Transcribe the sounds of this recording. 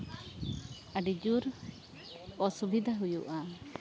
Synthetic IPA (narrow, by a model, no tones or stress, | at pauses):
aɖid͡ʒuɾ | ɔsubid̪ʱaɦujṵʔa